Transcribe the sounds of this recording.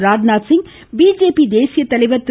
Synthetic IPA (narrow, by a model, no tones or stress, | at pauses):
ɾaːd͡ʒnaːsɪŋ | biːd͡ʒeːpid̪eːsɪjɐt̪ɐlɐɪʋɐɾt̪